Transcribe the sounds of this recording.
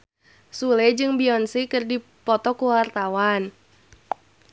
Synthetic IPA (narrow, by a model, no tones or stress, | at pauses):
sulɛd͡ʒɨŋbiɔnsikɨrdi | pɔt̪ɔkuwart̪awan